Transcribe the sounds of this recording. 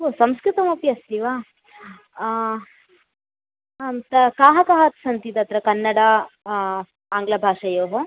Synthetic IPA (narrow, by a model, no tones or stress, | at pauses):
oːsɐmskɾɪt̪ɐmopjɐst̪iʋaː | amt̪ɐkaːɦɐkaːɦɐt̪sɐnt̪it̪ɐt̪ɾɐkɐnːɐɽɐ | aːŋɡlɐbʱaːʂɐjoːɦo